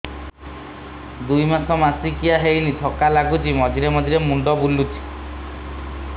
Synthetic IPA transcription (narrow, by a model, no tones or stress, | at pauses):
d̪ujmakʰɔmasikijaɦejnit̪ʰɔkalaɡut͡ʃʰimɔd͡ʒiɾemɔd͡ʒ̪ʱiɾemuɳɖɔbulːut͡ʃʰi̥